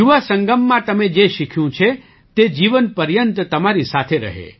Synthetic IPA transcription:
juʋasəŋɡəmːãt̪əmed͡ʒeʃikʰjũt͡ʃʰe | t̪ed͡ʒiʋənpəɾjənt̪t̪əmaɾisat̪ʰeɾə̰ɦḛ

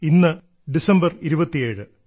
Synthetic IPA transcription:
inːɨ | ɖisɐmbɐriɾubɐt̪ːie̞ːɻɨ

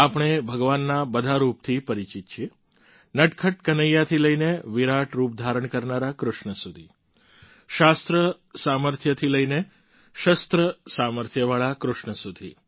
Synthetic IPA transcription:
apɽ̃ebʱəɡʋanːabəd̪ʱaɾup̚t̪ʰipəɾit͡ʃit̪̚t͡ʃʰie | nəʈkʰəʈkənəjːat̪ʰiləjneʋiɾaʈɾup̚d̪ʱaɾəɳkəɾnaɾakɾʊʃɳəsud̪ʱi | ʃast̪ɾə | saməɾt̪ʰjət̪ʰiləjne | ʃəst̪ɾəsaməɾt̪ʰjəʋaɭakɾʊʃɳəsud̪ʱi

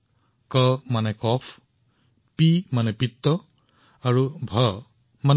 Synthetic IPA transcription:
kəmanɛkɔpʰ | pimanɛpit̪ːɔ | aɹubʱə | man

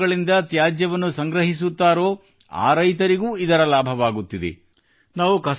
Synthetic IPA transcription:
ɐɭind̪ɐt̪jaːd͡ʒjɐʋɐnːusɐŋɡɾɐɦis̬ut̪ːaːɾoː | a̰ːɾɐjt̪ɐɾiɡuːid̪ɐɾɐlaːbʱɐʋaːɡut̪ːid̪ḛ | naːʋukɐs

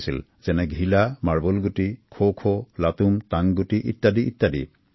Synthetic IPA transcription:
sil | z̥ɛnɛɡʱilamaɹbɔlɡutikʰokʰolatumtaŋɡutiʔitːadiʔḭtːadḭ

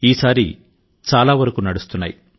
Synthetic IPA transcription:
iːsaːɾḭ | t͡ʃaːlaːʋɐɾɐkunɐɽust̪unːa̰ːji

